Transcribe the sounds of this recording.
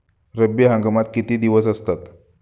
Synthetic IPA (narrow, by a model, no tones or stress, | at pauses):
ɾəbiɦə̃ŋɡəmat̪̚kit̪iːd̪iʋəsəst̪at̪